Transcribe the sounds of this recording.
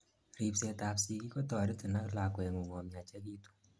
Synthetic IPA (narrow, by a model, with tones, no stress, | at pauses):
ɾi˨pse˨ta˨psi˨ki˦ko˦tɔ˨ɾi˦ti˨na˦kla˨kwɛ˨ŋo˨wɔ˨mja˨t͡ʃɛ˦ki˦tu̥˦